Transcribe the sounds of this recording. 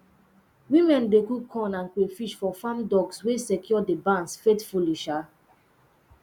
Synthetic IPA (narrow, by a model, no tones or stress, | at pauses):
wĩmɛ̃ndekukʰɔ̃nãnkefiʃfɔfãmdɔɡswesɛkʰjɔdebãnsfetfuliʃa